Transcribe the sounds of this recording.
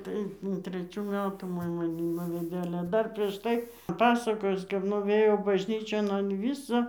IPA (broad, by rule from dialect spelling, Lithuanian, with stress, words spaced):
tɐɪ tʲrʲɛˈt͡ʃʲuː ˈmʲæːtuː ˈmoːj mɐˈnʲɪ ˈnʊʋʲɛdʲeː ˈɑːlʲɛ ˈdɐr pʲrʲiɛʃ ˈtɐɪ ˈpɑːsɐkoːjʊs kɐp nʊˈʋʲeːjoː bɐʒʲˈnʲiːt͡ʃʲoːn ɐn ˈʋʲiːsoː